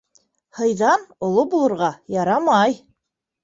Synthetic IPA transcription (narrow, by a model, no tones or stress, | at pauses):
hɤ̆jðɑnŏlˠobulˠɤ̆ɾʁɑjɑɾɑmɑj